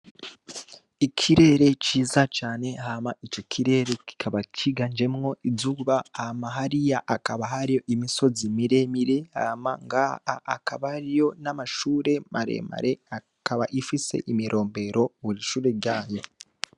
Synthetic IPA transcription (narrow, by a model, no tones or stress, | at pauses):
icʰiɾe̞ːɾe̞ciːzat͡ʃaːne̞hamaʔit͡ʃo̞kʰiɾe̞ːɾeki̥kʰaβacʰiɡand͡ʒe̞mŋo̞izuβaːmaɦaɾijaʔakaβaɦaɾijo̞ʔimiso̞zimiɾe̞miɾe̞ha̰ːma̰ŋɡaha̰akaβaɾijo̞namaʃuːɾe̞maɾe̞̰ma̰ɾe̞a | kaβaʔifise̞̰ʔimiɾʔo̞ːmbe̞ɾo̞βuɾiʃuːɾe̞ɾɟaːjo̞